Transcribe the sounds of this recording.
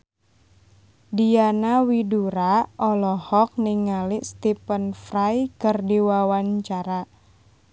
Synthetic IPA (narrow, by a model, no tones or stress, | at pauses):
dijanawiduɾaʔɔlɔhɔk̚niŋaliʔst̪ipənfrajkərdiwawaɲt͡ʃaɾa